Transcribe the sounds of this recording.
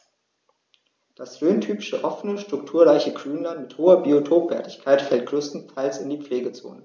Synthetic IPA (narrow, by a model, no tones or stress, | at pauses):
d̥asʁøːntʰyːpɪʃəʔɔfənəʃtʁ̥ʊktʰuːɐʁaɪçəɡʁ̥yːnlantmɪthoːɐbiotʰoːpv̥ɛɐtɪçkʰaɪtfɛlt̚ɡ̥ʁøːstn̩tʰaɪlsɪndiːp͡fleːɡət͡so̰ːnə